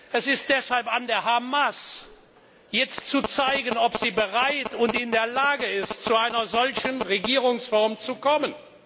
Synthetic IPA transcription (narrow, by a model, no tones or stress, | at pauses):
ʔɛsɪst̚d̥ɛshalpandeːɐɦamas | jɛt͡stt͡sut͡saɪɡənɔpz̥iːbəʁaɪtʊntɪndeːɐlaːɡəɪstt͡suaɪnɐzɔlçənʁeɡiːʁʊŋsfɔɐmt͡sukɔmən